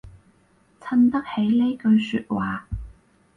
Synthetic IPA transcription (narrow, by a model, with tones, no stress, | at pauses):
t͡sʰɐ˧˥nt̪ɐ˥k̚he˨˥jle˥jkɵ˧ɥsyː˧t̚waː˨